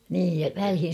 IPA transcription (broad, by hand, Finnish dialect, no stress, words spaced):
niː ʋælhin̞